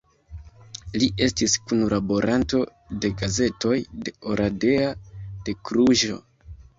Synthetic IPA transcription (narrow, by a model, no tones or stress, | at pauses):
liʔe̞stiskunlʔabo̞ɾʔanto̞ | de̞ɡaze̞to̞jde̞oɾʔade̞ad̥e̞kɾuʒo̞̰